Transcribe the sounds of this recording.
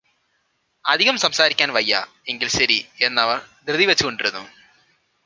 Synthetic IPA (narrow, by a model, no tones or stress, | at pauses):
ɐd̪ʱiɣɐmsɐmsaːɾikʲːaːnʋɐjːa̰ | e̞ŋɡilɕɐɾie̞nːɐʋɐrd̪rɨðiʋɐt͡ɕːuɣo̞ɳɖiɾunːṵ